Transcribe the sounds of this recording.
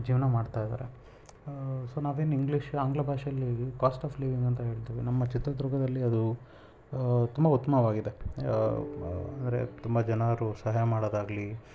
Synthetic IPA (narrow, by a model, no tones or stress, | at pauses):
d͡ʒiːʋɐnɐmaːɽt̪ajd̪a̰ːɾḛ | soːnaːʋeːniŋɡliʃaːŋɡlɐbʱaːʃjɐlːikaːsʈaːpliːʋiŋɡɐnt̪ɐɦe̞ːɭt̪iʋinɐmːɐt͡ʃit̪ɾɐd̪ɾuɡɐd̪ɐlːiɐd̪u | t̪umbɐut̪ːɐmɐʋaːɡid̪e̞ | ɐ̰nd̪ɐɾe̞̰t̪umbɐd͡ʒɐnaɾusɐɦaːjɐmaːɽoːd̪aːɡli